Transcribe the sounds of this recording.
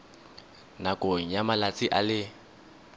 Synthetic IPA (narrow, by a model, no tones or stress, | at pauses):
nakʼoŋ̩jamalat͡sʼiʔalɪ